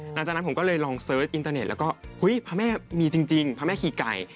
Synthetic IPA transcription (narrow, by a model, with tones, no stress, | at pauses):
na˧˩t͡ɕaː˨˩na˦˥po˩˦kɔː˥˩lɤː˧jlɔː˧ŋsɤː˦˥t̪̚ʔi˧nt̪aː˧ne˨˩t̪̚l̰ːɛ˦˥kɔː˥˩hu˦˥jpʰaː˧˥mɛː˥˩miː˧t͡ɕi˧ŋt͡ɕi˧ŋpʰaː˧˥mɛː˥˩kʰiː˨˩ka˨˩j